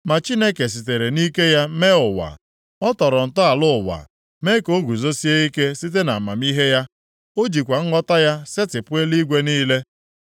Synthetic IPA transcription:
ma˨t͡ʃi˦ne˦ke˨s̬i˨te˨ɾe˨ni˦ke˦ja˦me˦ʊ˨wa̰˨ | ɔ˦tɔ˨ɾɔ˨n̩˨tɔ˦a˨lʊ˦˨wa̰˨ | me˦ko˦ɡu˨zo˦si˦e˦i˦ke˦si˦t̬e˦na˨ma˨mi˦ɦe˦ja˦ | o˦d͡ʒi˨kʷa˨ŋ̩˦ɡɔ˦ta˦ja˦sɪ˦tɪ˨pʊ˦e˦li˦ɡʷe˦niː˦le˦

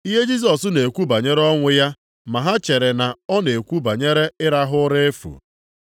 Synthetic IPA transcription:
i˦ɦe˦d͡ʒi˦s̬ɔ˨sʊ˦ne˨kʷu˦ba˨ɲe˦ɾe˦ɔ˦ŋʷɪ˦ja˦ | ma˨ɦa˦t͡ʃe˨ɾe˨na˨ɔ˦ne˨kʷu˦ba˨ɲe˦ɾe˦ɪ˦ɾa˦ɦʊ˦ɾe˦e˦fṵ˨

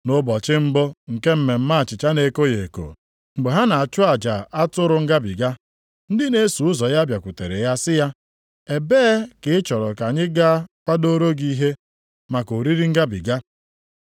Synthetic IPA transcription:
nʊ˦bɔ˨t͡ʃɪ˦m̩˦bɔ˦ŋ̩˨ke˦m̩˦me˨m̩˦ma˦a˨t͡ʃɪ˨t͡ʃa˦ne˨ko˦je˨ko̰˨ | ŋ͡m̩˨ɡ͡be˨ɦa˦na˨a˨t͡ʃʊ˦a˨d͡ʒa˨a˦tʊ˦ɾʊ˨ŋ̩˦ɡa˦bḭ˨ɡa˦ | n̩˦dɪ˦ne˦su˨ʊ˦zɔ˨ja˦bja˨kʷu˨te˨ɾe˨ja˦sɪ˦ja˦ | e˨beː˦kɪ˦ɪ˦t͡ʃɔ˨ɾɔ˨ka˨ɲɪ˦ɡa˦kʷa˦do˦ɾo˦ɡi˦ɦe˦ | ma˨ko˨ɾi˦ɾi˦ŋ̩˦ɡa˦bḭ˨ɡa˦

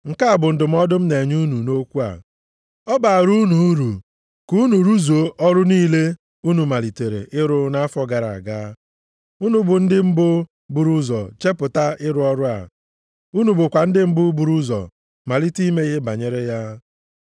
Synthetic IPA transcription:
ŋ̩˨ka˦a˨bʊ˨n̩˨dʊ˨m̩˦ɔ˦dʊ˦m̩˦ne˨ɲu˦nu˨no˦kʷu˦a̰˨ | ɔ˦ba˨ɾu˦nu˨˦ɾu˨ | ku˦nu˨ɾu˦zo˨˦ʔɔ˦ɾʊ˦niː˦le˦ | u˦nu˨ma˨li˨te˨ɾḛ˨ʔɪ˦ɾʊ˦na˦a˦fɔ˦ɡa˨ɾa̰˨ɡa˦ | u˦nu˦bʊ˨n̩˦dɪ˦m̩˦bʊ˦ | bu˨ɾu˦zɔ˨t͡ʃe˦pʊ˨ta˦ɪ˦ɾʊ˦ɔ˦ɾʊ˦a̰˨ | u˦nu˨bʊ˨kʷa˨n̩˦dɪ˦m̩˦bʊ˦bu˨ɾu˦zɔ̰˨ | ma˨li˦ti˦me˦i˦ɦe˦ba˨ɲe˦ɾe˦ja˦

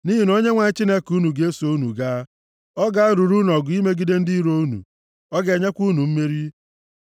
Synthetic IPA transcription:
ni˦ɦi˨no˦ɲe˦ŋʷa˨ɲ˦t͡ʃi˦ne˦ku˦nu˨ɡe˨˦e˦so˦u˦nṵ˨ɡa˦ | ɔ˦ɡa˦a˦ɾu˨ɾu˦n˨ɔ˨ɡʊ˨˦i˦me˦ɡi˦de˦n̩˦di˦ɾo˦u˦nṵ˨ | ɔ˦ɡe˨ɲe˦kʷu˦nu˨m̩˦me˦ɾi˦

